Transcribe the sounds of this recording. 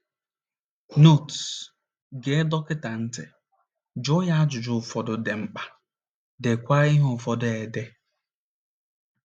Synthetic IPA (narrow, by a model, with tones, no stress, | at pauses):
no˦˨t | ɡe˨˦dɔ˦kɪ˦ta˨n̩˦te˨ | d͡ʒʊ˦ja˦a˦d͡ʒʊ˨d͡ʒʊ˦˨fɔ˨dʊ˨de˨ŋ͡m̩˦k͡pa˦ | de˨kʷa˦ɾi˦ɦʊ˨fɔ˦de˨de˦